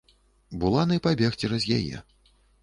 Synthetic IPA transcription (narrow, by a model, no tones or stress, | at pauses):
bulˠanɐjpabʲɛxt͡sʲɛɾɐzʲja̰jɛ̰